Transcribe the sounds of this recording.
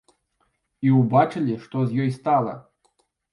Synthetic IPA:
iubat͡ʂɨlʲiʂt̪ɔzʲjɔjst̪ɑlˠə̰

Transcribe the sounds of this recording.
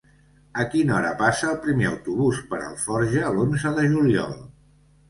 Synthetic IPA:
əkinɔɾə̰pasəːlˠpɾimeə̰wt̪uβuspəɾə̰lˠfɔɾʒəlonzəðəʒuliɔ̰lˠ

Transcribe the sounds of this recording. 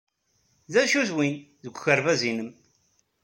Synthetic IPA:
ðæʃuðwinðəɡʷçəɾvæzinəm

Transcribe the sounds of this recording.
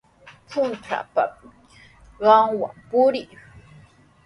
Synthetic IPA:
pʰʊnt̪ʰa̰pa̰ | ɢɑŋwa̰mpʊɾɪj

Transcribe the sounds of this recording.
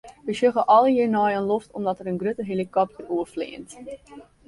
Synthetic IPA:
ʋəsøɣəʔɔlˠəjinɔjənlɔftɔmdɔtəɾənɡrøtəɦelikɔpdəuəflɪ̰ːənt

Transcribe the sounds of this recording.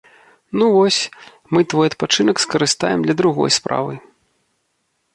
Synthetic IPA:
nuvɔsʲ | mɨt̪vɔjɐt̪̚pat͡ʂɨnɐkskɐɾɨst̪a̰jɛmd̪lʲɐd̪ɾuɣɔ̰jspɾa̰vɨ̰

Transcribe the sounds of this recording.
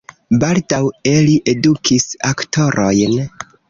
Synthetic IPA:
baldawe̞liʔe̞dukʰisaktʰo̞ɾʔo̞jn

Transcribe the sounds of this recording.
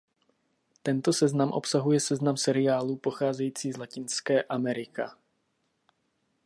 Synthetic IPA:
t̪ɛnt̪o̞sɛznamʔo̞̰psaɦujɛsɛznamsɛɾɪjaːluːpo̞xaːzɛjiːt͡siːzlacɪnskɛːʔamɛɾɪka̰

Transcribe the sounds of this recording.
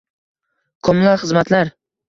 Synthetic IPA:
kʰɒmlaχɨzmat̪laɾ

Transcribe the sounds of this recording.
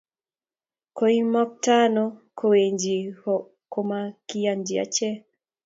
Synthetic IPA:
koimɔk̚tanɔkʰɔweɲd͡ʒihɔ | kɔmakijandia̰t͡ʃɛ

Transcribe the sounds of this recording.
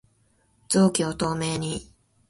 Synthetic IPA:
z̥oːkʲiot̪o̞ːme̞ːɲ̟i

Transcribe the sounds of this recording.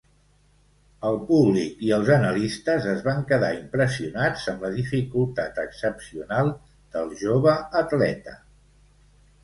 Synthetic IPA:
əlˠpuβlikiəlˠzənəlist̪əzəzβaŋkəða̰impɾəsiunad͡zəmləðifikulˠt̪at̪əksəpsiunalˠ | d̪̥əlˠʒoβəːt̪lɛ̰t̪ə

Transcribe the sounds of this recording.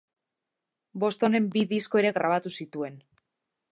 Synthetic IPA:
bo̞st̪o̞ne̞mbiðisko̞eɾe̞ɣɾaβ̞at̪usit̪ue̞n

